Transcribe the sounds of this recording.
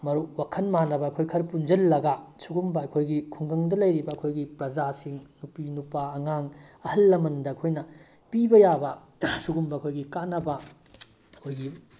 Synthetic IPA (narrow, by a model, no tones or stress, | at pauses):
mɐɾuwakʰɐnmanɐbɐːkʰojkʰɐɾpund͡ʒɐlːɐɡɐsuɡumbɐɐkʰojɡikʰuŋɡɐŋdɐlɐjɾibɐɐkʰojɡipɾɐd͡ʒasiŋnupinupaɐŋaŋɐhɐlːɐmɐndɐːkʰojnɐ | pibɐjabɐ | suɡumbɐɐkʰojɡikanːɐbɐ | ɐkʰojɡi